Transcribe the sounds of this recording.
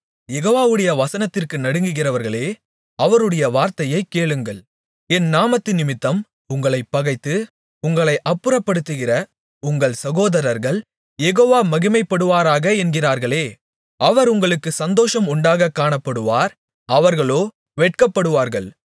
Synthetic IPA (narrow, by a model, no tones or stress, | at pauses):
jɛɣoːʋaːʋɯɽɐjɐʋɐsɐnɐt̪ːɪrkɯnɐɽɯŋɡɯɣɪrɐʋɐɾɣɐɭeː | ɐʋɐɾɯɽɐjɐʋaːɾt̪ɐjɐɪkːeːɭɯŋɡɐɭ | ɛnːaːmɐt̪ːɪnːɪmɪt̪ːɐm | ʊŋɡɐɭɐɪpːɐɣɐɪt̪ːɯ | ʊŋɡɐɭɐɪʔɐpːɯɾɐpːɐɽɯt̪ːɯɣɪrɐ | ʊŋɡɐɭsɐɣoːðɐɾɐɾɣɐɭ | jɛɣoːʋaːmɐɣɪmɐɪpːɐɽɯʋaːɾaːɣɐɛnɡɪraːɾɣɐɭeː | ʔɐʋɐɾʊŋɡɐɭɯkːɯsɐnd̪oːʂɐmʊɳɖaːɣɐkːaːɳɐpːɐɽɯʋaːɾ | ɐʋɐɾɣɐɭoː | ʋeʈ̚kɐpːɐɽɯʋaːɾɣɐɭ